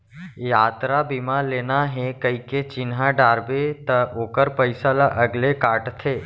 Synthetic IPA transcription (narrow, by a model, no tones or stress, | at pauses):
jaːt̪ɾabimaleːnaɦẽkəiket͡ʃɪnɦaɖaːɾbet̪ɐoːkəɾpəɪsalaʔəɡlekaːʈt̪ʰeː